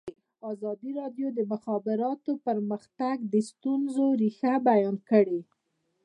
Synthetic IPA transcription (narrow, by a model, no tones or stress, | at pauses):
ɑzɑd̪iɾɑdjod̪əmʊxɑbɪɾɑt̪opəɾməxt̪aɡd̪əst̪unzoɾixabajɑnkəɽe